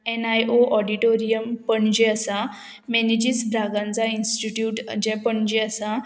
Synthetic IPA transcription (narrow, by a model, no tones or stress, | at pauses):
ɛnajoʔɔɖiʈoɾijəmpəɳd͡ʑeəsa | mɛnid͡ʑisbɾaɡãnt͡sainsʈiʈjuːʈd͡ʑɛpəɳd͡ʑeəsa